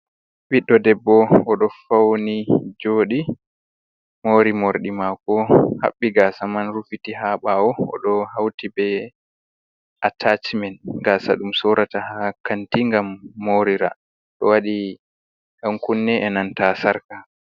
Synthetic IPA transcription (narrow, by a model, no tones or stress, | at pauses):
biɗːɔdɛbːɔɔɗɔfawnid͡ʒoːɗi | moːɾimoɾɗimakɔha̰ɓːiɡaːsamanɾufitiɦaɓaɔɔ̰ɗɔhawtibɛ | ʔatʰat͡ʃmɛnɡaːsa̰ɗumsɔɾatahakantiŋɡamːoɾiɾa̰ | ɗɔ̰waɗi | ɗaŋkunːɛʔɛnantasaɾka